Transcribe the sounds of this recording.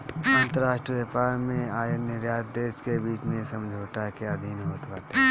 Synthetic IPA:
ə̃ːnt̪əɾaːʃʈɾiʋepaːɾmẽaːjənəɾjaːt̪d̪eːskebiːt͡ʃmẽsəmd͡ʒʱoːʈakjad̪ʱiːnɦoːt̪baːt̪e

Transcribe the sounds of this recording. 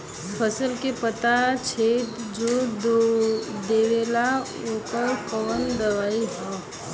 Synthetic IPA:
fʰəsəlkepət̪at͡ʃʰeːt̪d͡ʒoːd | d̪eːʋeːla | okəɾkəʋənd̪ɐʋaːiɦɔ̃ː

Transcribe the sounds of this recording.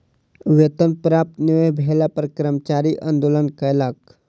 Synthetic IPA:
ʋet̪ənpɾaːp̚t̪niʋebʱeːlapəɾkɾəmt͡ʃaːɾiʔə̃nd̪oːlənkəlak

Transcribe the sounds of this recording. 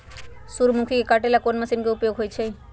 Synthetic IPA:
suɾmukʰikekaʈelakonmasinkeupjoɡɦojt͡ʃʰe

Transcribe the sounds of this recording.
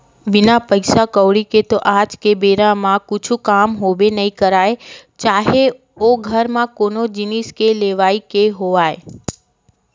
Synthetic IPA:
bɪnapəɪsakəʋɽiket̪oʔad͡ʒkebeɾãmãkʊt͡ʃʰũkamɦoʋenəĩkəɾaet͡ʃaːɦe | oɡʱəɾmãkonod͡ʒiniskeleʋaikeɦoʋae

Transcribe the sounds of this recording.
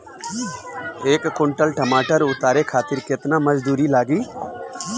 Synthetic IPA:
eːkːʊɳʈəlʈəmaːʈəɾʊt̪aːɾekʰaːt̪ɪɾkɪt̪naməd͡ʒd̪uːɾilaːɡiː

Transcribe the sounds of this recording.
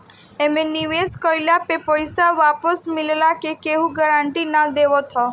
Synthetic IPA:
emeniʋeskɔjlapepɔjsaʋapəsmɪllakekeɦũɡəɾãɳʈinad̪eʋɔt̪ʰɔ

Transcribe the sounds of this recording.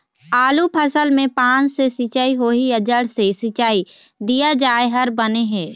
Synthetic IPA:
aːlupʰəsəlmẽpãːnsesɪt͡ʃaiɦoːiəd͡ʒəɽsesɪt͡ʃaːid̪ijad͡ʒaːeɦɐɾbɐneɦɛ̃ː

